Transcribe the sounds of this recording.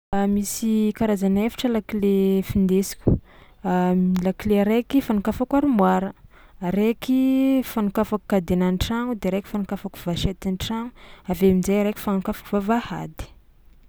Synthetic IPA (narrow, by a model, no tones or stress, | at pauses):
misikaɾazanefi̥ʈ͡ʂəlakilefind̪esi̥kʲu̥ | lakileɾekifanukafakaɾimwaɾə | ɾekifanukafaku̥kad̪enanʈ͡ʂaŋud̪eɾeki̥fanukafaku̥vaʃet̪inʈ͡ʂaŋuaveamizeɾeki̥fanukafḁkuvavaha̰d̪i̥